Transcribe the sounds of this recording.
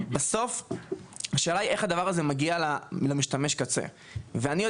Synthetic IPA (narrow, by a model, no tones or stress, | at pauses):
baso̞f | aʃeːlaieχad̪avaʁazemaɡialalamiʃt̪ameʃkat͡sḛ | veanijo